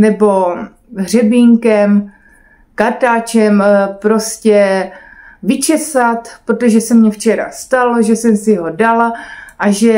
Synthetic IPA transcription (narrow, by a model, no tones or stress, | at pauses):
nɛbo̞ | ɦr̝ɛbiːŋkɛm | kaɾt̪aːt͡ʃɛmpɾo̞scɛ | vɪt͡ʃɛsat̪pɾot̪oʒɛsɛmɲɛft͡ʃɛɾa̰st̪aloʒɛsɛmsɪɦo̞dalaʔaʒɛ